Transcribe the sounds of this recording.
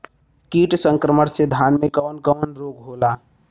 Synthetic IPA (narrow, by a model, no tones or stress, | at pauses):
kiːʈsə̃ŋkɾəməɽsed̪ʱaːnmẽkɔːnkɔːnɾoːkɦoːlaː